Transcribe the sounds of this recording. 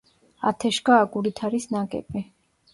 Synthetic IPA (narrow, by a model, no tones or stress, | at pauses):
a̰t̪ʰɛʃɡaːɡʼuɾit̪ʰaɾisnaɡʼɛ̰bʼi